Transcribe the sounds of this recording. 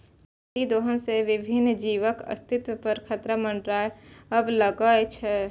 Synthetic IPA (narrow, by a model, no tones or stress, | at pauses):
t̪id̪oːɦənseʋɪbʱɪnd͡ʒiːʋəkə̰st̪ʰɪt̪wəpəɾkʰət̪ɾəmə̃ɳɖɾaːeəbləɡəjt͡ʃʰɛ